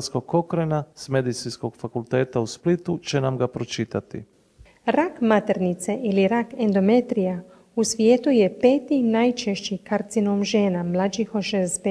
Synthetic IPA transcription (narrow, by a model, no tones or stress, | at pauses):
skoɡ̚kokɾenasme̞d̪it̪sinsko̞ɡ̥fakulˠt̪eːt̪ausplit̪ut͡ʃenamɡapɾot͡ʃit̪at̪ḭ | ɾakmat̪eɾnit̪seʔiliɾakend̪omet̪ɾija | usʋjeːt̪ujepeːt̪inajt͡ʃeʃt͡ʃikaɾt̪sinomʒeːnamlˠad͡ʒixoʃezbe